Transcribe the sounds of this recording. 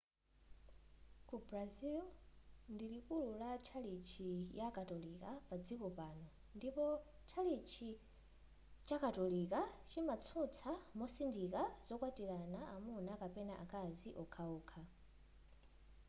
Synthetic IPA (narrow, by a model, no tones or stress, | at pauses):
kubɾazilndilikululat͡ʃʰalit͡ʃʰijakatɔlikapad͡zikɔpanɔ | ndipɔ | t͡ʃʰalit͡ʃʰi | t͡ʃakatɔlikat͡ʃimat͡sʰut͡sʰamɔsindikazɔkwatilanaʔamunakapɛnaʔakʼaziʔɔkʰauːkʰa